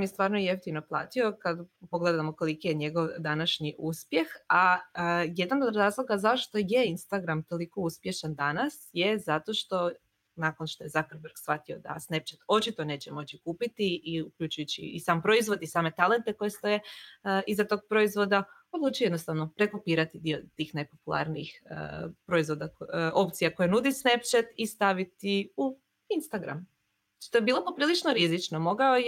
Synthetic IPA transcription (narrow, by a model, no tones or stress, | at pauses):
mjest̪ʋaːɾnoieft̪imno̞plˠa̰ːt̪io̞kad̪po̞ɡle̞d̪amoko̞likijeɲe̞ɡo̞ʋd̪anaʃɲiʔuspje̞xa | jed̪anod̪ɾaːzlˠo̞ɡazaoʃt̪o̞je̞inst̪aɡɾamt̪o̞liko̞uspje̞ʃand̪anasjezat̪o̞ʃt̪o̞ | nako̞nʃt̪o̞je̞zakɾbeɾɡsfat̪io̞d̪a̰snep̚t͡ʃet̪o̞t͡ʃit̪o̞ne̞ːt͡ɕe̞mo̞t͡ɕikuːpit̪iiukʎut͡ʃujut͡ɕḭːsaːmpɾo̞izʋo̞d̪isaːme̞t̪ale̞nt̪eko̞jest̪o̞jeizat̪o̞ɡ̚pɾo̞izʋo̞d̪ao̞d̪luːt͡ʃuje̞d̪nost̪aʋno̞pɾekopiːɾat̪id̪iot̪iːxnajpo̞pulˠa̰ɾniixə̰pɾo̞izʋo̞d̪ao̞pt̪sijako̞jenud̪isnept͡ʃat̪ist̪aʋit̪iu | inst̪aɡɾa̰m | ʃt̪o̞jebiːlˠopopɾiːlˠit͡ʃnoɾizit͡ʃnomo̞ɡaoj